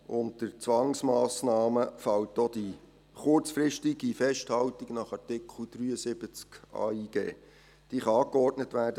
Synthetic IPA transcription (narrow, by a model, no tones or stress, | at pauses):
ʔʊntdəɾt͡sʋɑŋsmɑːsnɑːməfɑwtodi | χʊrt͡sfɾɪʃtiɡifɛʃthɑwtiɡnɑχɑrtɪkχl̩d̥ryːəsɪbət͡skʔɑ̰ːiːɡ̥ḛː | d̥iːχɑɑːkɔrdnətʋæːdə